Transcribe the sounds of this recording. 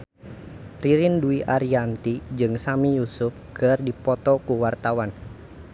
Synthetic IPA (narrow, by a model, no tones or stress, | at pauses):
riɾɪnduiʔaɾiant̪id͡ʒɨŋsamijusʊfɡ̥ərdipɔt̪ɔkuwart̪awan